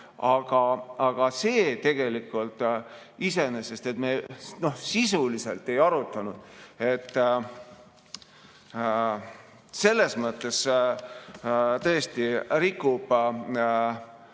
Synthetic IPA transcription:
ɑɡ̥ɑɑɡ̥ɑse̞ːt̪e̞ɡ̥e̞likːˑult̪ˑ | ise̞nese̞st̪e̞t̪meno̞hsisulise̞̰lt̪ːe̞jɑɾut̪ˑːɑnud̪̥e̞t̪ː | se̞lːe̞smɤt̪ːˑe̞s | t̪ɤ̞est̪irikːub̥

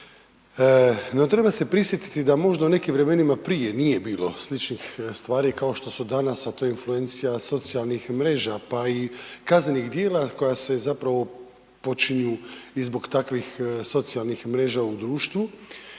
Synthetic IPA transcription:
no̞t̪ɾe̞base̞pɾisʋje̞t̪i̥t̪id̪amo̞ʒd̪aune̞kimʋɾe̞me̞nimapɾije̞nije̞biːlˠo̞slit͡ʃnixst̪ʋaːɾikao̞ʃt̪o̞sud̪anasat̪oinflue̞nt̪sijaso̞t̪sijalnixmɾe̞ːʒapaikazne̞nixd̪je̞ːlako̞jase̞zapɾaʋo̞ | pot͡ʃiɲuizbo̞ɡt̪akʋixso̞t̪sijalnixmɾe̞ːʒaud̪ɾuːʃt̪ʋu

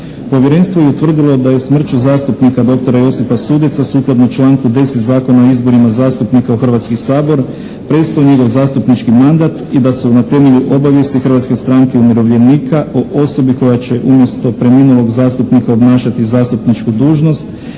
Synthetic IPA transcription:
po̞ʋje̞ɾe̞nst̪ʋo̞jeut̪ʋr̩d̪ilˠo̞d̪aje̞smr̩t͡ʃuzaːst̪upnikad̪o̞kt̪o̞ɾajo̞sipasuːd̪it̪sasuːklˠad̪not͡ʃlˠaːŋkud̪e̞set̪zaːko̞naoizbo̞ɾimazaːst̪upnikaoxr̩ʋat̪skisaːbo̞ɾ | pɾe̞st̪aoɲe̞ɡo̞ʋzaːst̪upnit͡ʃkimand̪at̪id̪asunat̪e̞me̞ʎuʔo̞baʋjest̪ixɾrʋat̪ske̞st̪ɾaːŋkeumiɾo̞ʋʎʲje̞niːkʰaʔoʔo̞so̞biko̞jat͡ɕe̞ʔumje̞st̪o̞pɾe̞miːnulo̞ɡzaːst̪upnikaobnaːʃat̪izaːst̪upnit͡ʃkud̪uːʒno̞st̪

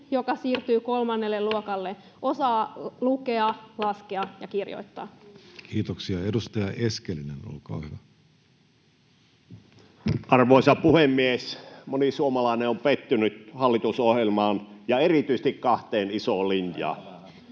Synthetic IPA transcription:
jokɑsiːrt̪yːkolmɑnːelːelluokɑlːe | ʔosɑːlukeɑlɑskeɑjɑkirjo̰it̪ːɑ̰ːkʰiːt̪oksiɑedust̪ɑjɑʔeskelineno̰lkɑ̰ːhyʋæ | ʔɑrʋoˑisɑpuhemːiesmonisuomɑlɑˑineompet̪ːynyt̪hɑlːit̪usohjelmɑːnjɑerit̪yisĕ̥t̪ikkɑht̪eːnisoːˑlinjɑ̰ː

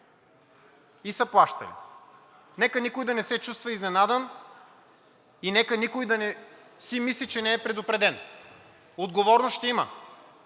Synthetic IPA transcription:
isɐplˠaʃt̪ɐ̰lḭ | nɛkənikojd̪ɐnɛsɛt͡ʃust̪vɐiznɛnad̪ɛn | inɛkənikojd̪ɐnɛ | simislit͡ʃɛnɛːpɾɛd̪opɾɛd̪ɛn | od̪ɡovɔɾnoʃt̪ɛimɐ

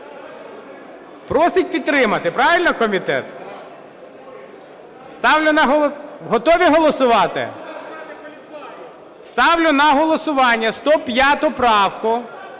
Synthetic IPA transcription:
pɾɔsɪt̚ʲpʲid̪t̪ːɾɪmɐt̪ɪpɾɑʋʲɪlʲnɔkɔmʲit̪ɛ̰t̪ | st̪ɑwlʲʊnɐɦɔɦɔt̪ɔʋʲiɦɔlˠɔsʊʋɑt̪ɪ̰ | st̪ɑwlʲʊnɐɦɔlˠɔsʊʋɑnʲːɐst̪ɔpʲjat̪ʊpɾɑwkʊ

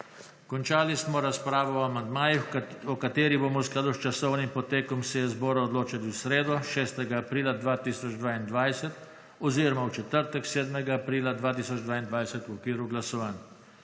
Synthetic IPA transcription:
kɔnt͡ʃaːlismɔɾaspɾaːʋɔɔamand̪maːjixɔkat̪eːɾiboːmɔsklaːd̪ust͡ʃasɔwnimpɔt̪eːkɔmsɛjɛzbɔːɾaɔd̪loːt͡ʃaliwsɾeːd̪ɔʃɛːst̪ɛɡaːpɾiːlad̪ʋaːt̪iːsɔd͡ʒd̪ʋaːind̪ʋajsɛt̪ | ɔziːɾɔmawt͡ʃɛt̪əɾt̪ɛkseːd̪mɛɡaːpɾiːlad̪ʋaːt̪iːsɔd͡ʒd̪ʋaːind̪ʋajsɛt̪wɔkʋiːɾuɡlasɔʋaːn

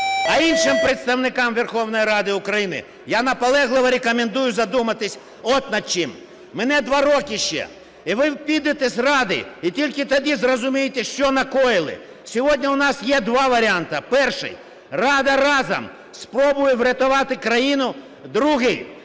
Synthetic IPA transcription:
ɐinʃɪmpɾɪt̪st̪ɐwnɪkɑmʋʲerxɔwnɔjiɾɑd̪ɪʊkɾɐjinɪ̰ | janɐpɐlˠɛɦlˠɪʋɐɾʲekɔmend̪ujʊzɐd̪umɐt̪ɪsʲ | ɔt̪nɐd̪̚t͡ʃɪm | menɛd̪ʋɑɾɔkɪʃt͡ʃɛ̰ | iʋɪwpʲid̪et̪esʲrɑd̪ɪ̰it̪ʲilʲkɪt̪ɐd̪ʲizrɔzʊmʲijɪt̪ɛʃt͡ʃɔnɐkɔjɪlˠɪ̰ | sʲɔɦɔdʲnʲɐʊnɑsjɛd̪ʋɑʋɐɾʲɪɑnt̪ɐpɛrʃɪ̰j | rɑd̪ɐɾɑzɐ̰m | spɾɔbʊjɛʋɾʲɐt̪ʊʋɑt̪ɪkɾɐjinʊ | d̪ɾuɦɪj

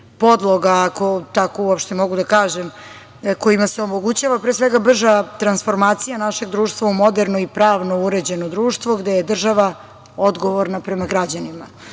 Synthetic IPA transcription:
po̞d̪lˠoɡaːko̞t̪akouopʃt̪e̞mo̞ɡud̪akaːʒem | ko̞imaseomo̞ɡut͡ɕaʋapɾeːsʋe̞ɡabr̩ʒat̪ɾansfo̞ɾmaːt̪sijanaʃe̞ɡd̪ɾuːʃt̪vaumo̞d̪eɾnoipɾaːʋno̞uɾed͡ʑe̞nod̪ɾuːʃt̪ʋo̞ɡd̪ejed̪r̩ʒaʋa | o̞d̪ɡo̞ʋoɾnapɾe̞maɡɾad͡ʑanima

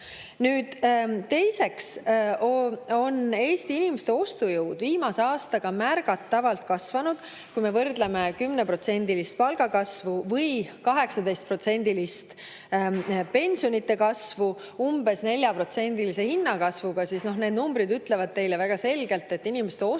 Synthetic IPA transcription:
nyːd̪̥t̪e̞jse̞ks | o̞ne̞ːst̪iinimest̪e̞o̞st̪ujəwd̪̥viːmɑseɑːst̪ɑɡ̥ɑmærɡ̥ɑt̪ːɑvɑlt̪̚kɑsvɑnud̪̥ | kujme̞vɤrd̪leme̞kymnepro̞t̪se̞nʲd̪ilist̪̚pɑlɡ̥ɑkɑsvuvɤjkɑɦe̞ksɑd̪e̞jst̪̚pro̞t̪se̞nʲd̪̥ilist̪ | pe̞nʲsio̞nit̪ːe̞kɑsvu | umbe̞sne̞lʲjɑpro̞t̪se̞nʲd̪̥ilise̞hinːɑkɑsvuɡ̥ɑsisno̞hne̞ːd̪numbɾid̪yt̪ːˑle̞vɑd̪̚t̪e̞jlevæɡ̥ɑse̞lɡ̥e̞lt̪ːˑe̞t̪ːinimest̪eo

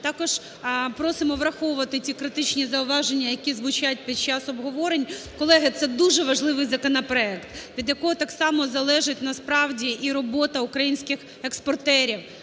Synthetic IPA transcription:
t̪ɑkɔʒ̥ | pɾɔsɪmɔʋɾɐxɔʋʊʋɐt̪ɪtʲikɾɪt̪ɪt͡ʃnʲizɐʊʋɑʒenʲːɐjɐkʲizʋʊt͡ʃat̚ʲpʲid̪̚t͡ʃɑsɔbɦɔʋɔɾenʲkɔlˠɛɦɪt̪sɛd̪uʒɛʋɐʒlˠɪʋɪjzɐkɔnɐpɾɔɛkt̪ʋʲid̪jɐkɔɦɔt̪ɑksɑmɔzɐlˠɛʒɪt̚ʲnɐspɾɑwdʲiʔiɾɔbɔt̪ɐukɾɐjinʲsʲkɪx | ekspɔrt̪ɛɾʲiw

